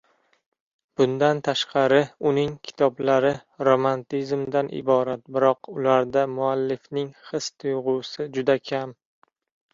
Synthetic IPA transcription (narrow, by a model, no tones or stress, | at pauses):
b̥ʊnd̪ant̪ʰaʃqʰɑɾɪʊnɪŋkʲʰɪ̥t̪ʰɒblaɾɪɾomant̪izmd̪anʔɪ̰bɒɾat̪̚bɪɾɒqʊlaɾd̪amʊalːɪfnɪŋχɨst̪ʰʊjʁʊsɪd͡ʒʊd̪akʲʰam